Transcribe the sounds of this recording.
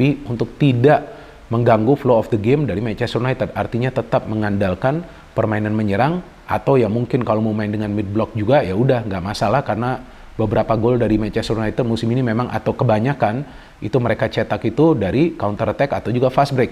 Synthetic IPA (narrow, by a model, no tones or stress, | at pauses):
iunt̪ʊk̚t̪idaʔ | məŋɡaŋɡufloɔfd̪əɡɛmdaɾimat͡ʃɛsrunait̪ət̪art̪iɲat̪ət̪ap̚məŋandalkan | pərmainanməɲəɾaŋ | ʔa̰t̪awjaŋmuŋkɪnkalowməmaɪndəŋanmɪt̪̚blɔk̚d͡ʒuɡajaudahŋɡaʔmasalahkarəna | bəbəɾapaɡoldaɾimat͡ʃɛstrunait̪ət̪̚musɪminimemaŋʔa̰t̪awkəbaɲakan | ḭt̪uməɾekat͡ʃɛt̪akit̪udaɾikaunt̪ərt̪ɛkat̪awd͡ʒuɡafasbɾek̚